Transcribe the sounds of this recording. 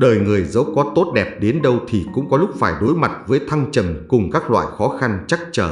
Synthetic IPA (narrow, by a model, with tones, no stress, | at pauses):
ɗəː˨˩jŋɨ˨˩əjzə̰˧˥wwkɔ˨˦t̪o˦˥t̚ɗɛ˨˩p̚ɗe˨˦nɗə˧wt̪ʰi˨˩kʊ̰˧˥ŋ͡mkɔ˨˦lʊ˦˥k͡p̚faː˧˩jɗo˨˦jma˨˩t̚vəː˨˦jt̪ʰa˧ŋt͡ɕə˨˩mkʊ˨˩ŋ͡mkaː˦˥k̚lwa̰ː˧˨jxɔ˨˦xa˧nt͡ɕa˦˥k̚t͡ɕəː˧˩